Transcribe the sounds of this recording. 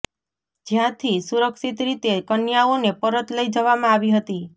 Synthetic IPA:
d͡ʒjãt̪ʰisuɾəksit̪ɾit̪ekənjaonepəɾət̪ləid͡ʒəʋamãaʋiɦət̪i

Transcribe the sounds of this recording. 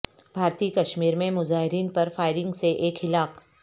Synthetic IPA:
bʱaːɾt̪iːkɐʃmiːɾmẽmʊzaːɦɪɾiːnpɐɾfaːɪɾɪ̃ŋɡseʔeːkɦɪlaːk

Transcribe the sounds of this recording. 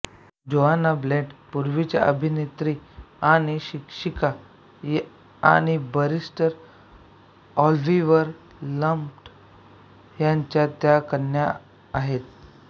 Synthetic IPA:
d͡ʑoʋanableʈpuɾʋit͡ɕa̰ʔəbʱinet̪ɾiaɽ̃iɕikʂika | a̰ɽ̃ibəɾisʈəɾ | ɔlʋiʋəɾ | ləmpʈ | jaɲt͡ɕjat̪jakənja | aɦet̪̚

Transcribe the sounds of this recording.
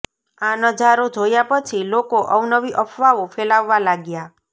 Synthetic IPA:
anəd͡ʒaɾod͡ʒʱojapət͡ʃʰilokoʔɔwnəʋiʔəpʰʋaʋofʰelaʋːalaɡja

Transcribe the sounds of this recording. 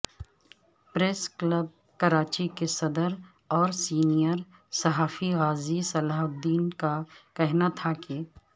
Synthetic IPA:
pɾeːskləb̚ | kɐɾaːt͡ʃikesɐd̪əɾ | ɔːɾsiːnijəɾ | sɐɦaːfiɣaːzisɐlaːɦʊd̪iːnkakɛɦnat̪ʰake

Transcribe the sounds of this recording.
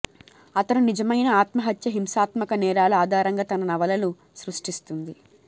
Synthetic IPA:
ɐt̪ɐnunid͡ʒɐmɐjnɐaːt̪mɐɦɐt̪jɐɦimsaːt̪mɐkɐnɛːɾaːlɐaːd̪ʱaːɾɐŋɡaːt̪ɐnɐnɐʋɐlɐnu | sɾuʂʈist̪und̪i

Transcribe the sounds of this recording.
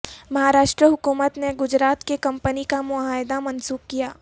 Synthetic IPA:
mɐɦaːɾaːʃʈɾəɦʊkuːmət̪neɡʊd͡ʒɾaːt̪kekɐ̃mpənikamʊaːɪd̪amɐnsuːp̚kijaː

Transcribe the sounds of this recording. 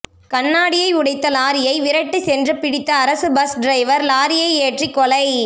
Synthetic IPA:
kɐɳːaːɽɪjɐɪʊɽɐɪt̪ːɐlaːɾɪjɐɪʋɪɾɐʈːɯsɛndrɯpɪɽɪt̪ːɐːɾɐsɯbɐsɖɾɐɪʋɐɾlaːɾɪjɐɪeːʈrikːɔlɐɪ

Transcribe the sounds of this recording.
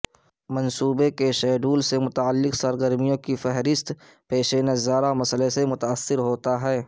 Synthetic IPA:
mɐ̃nsuːbekeʃɛːɖuːlsemʊt̪aːəlːɪqsɐɾɡəɾmijõkifɛɦɾɪst̪ | peːʃenezaːɾamɐsəlesemʊt̪aːsːɪɾɦoːt̪aɦɛː

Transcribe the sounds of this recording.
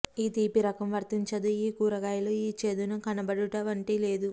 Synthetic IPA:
iːt̪iːpiɾɐkɐmʋɐɾt̪iɲt͡ʃɐd̪uiːkuːɾɐɡaːjɐloiːt͡ʃe̞ːd̪unukɐnɐbɐɽuʈɐʋɐɳʈiːle̞ːd̪u

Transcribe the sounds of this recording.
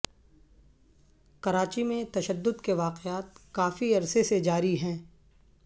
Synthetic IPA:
kɐɾaːt͡ʃimẽt̪ɐʃəd̪ːʊd̪keʋaːqeaːt̪̚kaːfiɐɾsesed͡ʒaːɾiɦɛ̃ː

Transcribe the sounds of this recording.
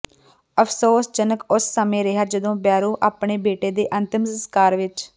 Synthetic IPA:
əpʰsoːsd͡ʒənəkʊsːəmẽːɾɪɦaːd͡ʒəd̪õːbjaːɾõːʔaːpɳeːbeːʈeːd̪eːʔənt̪ɪmsəskaːɾʋɪt͡ʃ

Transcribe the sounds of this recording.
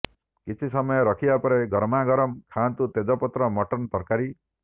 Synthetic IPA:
kit͡ʃʰisɔmɔjɔɾɔkʰibapɔɾeɡɔɾmaɡɔɾɔmkʰant̪ut̪ed͡ʒɔpɔt̪ɾɔmɔʈɔnt̪ɔɾkaɾi

